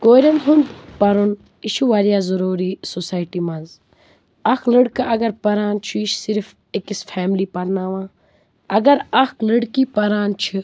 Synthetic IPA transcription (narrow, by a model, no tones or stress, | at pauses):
koːɾɐnɦund̪pɐɾun | iʃuʋaɾjaːzɐɾoːɾiːsosaːjʈimɐnz | ɐkʰləɽkaʔɐɡɐɾpɐɾaːnt͡ʃʰiʃsiɾf | ekisfʰɛːmliːpɐɾnaːʋãː | ɐɡɐɾɐkʰləɽkiːpɐɾaːnt͡ʃʰɨ